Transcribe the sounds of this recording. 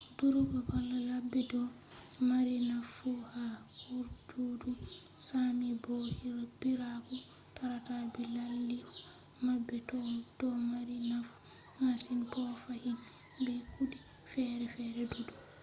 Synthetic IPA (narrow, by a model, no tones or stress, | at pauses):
duɾubabalːalabːɛdɔ | maɾinafuhahuɾdudusamibɔhiɾabiɾaku | taɾatabɛlalːi | mabːɛtɔdɔmaɾinafu̥ | masinpɔfahin | bɛkudi | fɛɾɛfɛɾɛdudu